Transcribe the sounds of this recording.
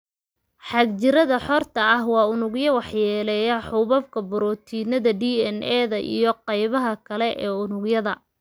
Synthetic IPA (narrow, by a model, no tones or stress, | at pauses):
ħɑɡ̚t͡ʃɪɾɐðɐħɔrt̪ʰɐɐhwɑːʊnʊɡjɐwɑħjɛːlɛjɐħʊβɐbkʰɐbʊɾɔːt̪ʰiːnɐðɐɖiːɛnʔɛːðɐʔḭjɔqɑjβɐɦɐkʰɐlɛʔɛːʊnʊɡjɐðɐ